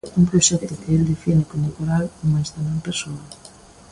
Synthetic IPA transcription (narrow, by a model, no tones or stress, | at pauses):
uŋpɾoʃɛk̚t̪ʊkɪeld̪efinɪkonakoɾalomajst̪anampeɾsoa